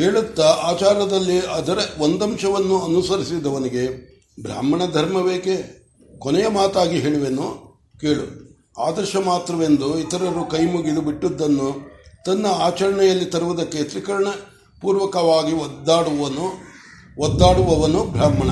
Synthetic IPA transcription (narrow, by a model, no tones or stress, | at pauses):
keːɭut̪ːɐaːt͡ʃaːɾjɐd̪ɐlːiɐd̪ɐɾeʋond̪ɐmʃɐʋɐnːuɐnusɐɾisid̪ːɐʋɐniɡe̞ | bʱɾa̰ːmɐɳɐd̪ʱɐɾmɐʋeːke | konɛjɐmaːt̪aːɡiɦeːɭiʋenu | ke̞ːɭu | aːd̪ɐɾʃɐmaːt̪ɾɐʋe̞nd̪uit̪ɐɾɐɾːukɐjmuɡid̪ubiʈːud̪ːɐnːut̪ɐnːɐaːt͡ʃɐɾɐɳɛjɐlːit̪ɐɾuʋud̪ɐkːe̞t̪ɾikɐɾɐɳɐ | puːɾʋɐkɐʋaːɡid̪aːɽuʋɐnu | ɔd̪ːaːɽuʋɐʋɐnubʱɾaːmɐɳɐ